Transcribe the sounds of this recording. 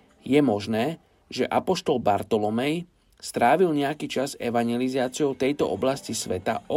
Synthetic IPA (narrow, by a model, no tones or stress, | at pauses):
jɛmɔʒnɛː | ʒɛʔapɔʃt̪ɔlbaɾt̪ɔlɔmɛj | st̪ɾaːʋilɲɛakiːt͡ʃazɛʋaɲɪjɛlizaːt͡sɪjɔʊt̪ɛjt̪ɔ̰ʔɔ̰blascisʋɛt̪a̰ɔ